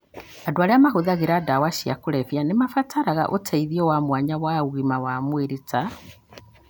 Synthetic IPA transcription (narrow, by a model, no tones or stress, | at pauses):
adoaɾeamaɦoðaɣeɾadawaʃia̰koɾɛvjanemafatʰaɾaɣa̰ʔotʰaiðiɔwamwaɲawauɣimawamweɾeta